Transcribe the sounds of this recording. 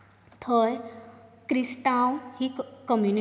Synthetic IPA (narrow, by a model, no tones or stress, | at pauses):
t̪ʰəj | kɾist̪awhikəmjuni